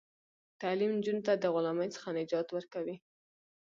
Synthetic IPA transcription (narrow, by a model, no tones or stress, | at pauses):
t̪alimnd͡ʒunt̪ad̪əɣʊlaməjt͡sə̥xanɪd͡ʒɑt̪wəɾkawi